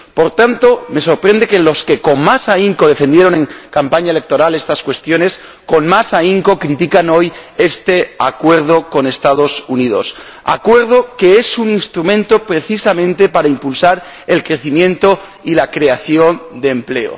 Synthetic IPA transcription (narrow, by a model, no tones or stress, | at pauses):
po̞ɾt̪ant̪o̞me̞so̞ɾpɾend̪e̞ke̞lo̞ske̞ko̞ŋmasaiŋko̞ðe̞fe̞nd̪je̞ɾo̞nẽ̞ŋkampaɲaele̞k̚t̪o̞ɾale̞st̪askwe̞st̪jo̞ne̞s | ko̞nmasaiŋko̞kɾit̪ikano̞je̞st̪e̞a̰kwe̞ɾð̞o̞ko̞ne̞st̪að̞o̞sunið̞o̞̰s | a̰kwe̞ɾð̞o̞ke̞e̞suninst̪ɾumẽnt̪o̞pɾe̞θisamẽ̞nt̪e̞paɾaimpulsaɾ | e̞lkɾe̞θimjẽ̞nt̪o̞ | ilakɾe̞aθjo̞nd̪e̞ːmple̞o̰